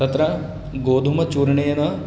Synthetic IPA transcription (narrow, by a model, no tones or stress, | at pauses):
ɐt̪ɾɐ | ɡoːd̪ʱumɐt͡ʃuːɾɐɳeːɐnɐ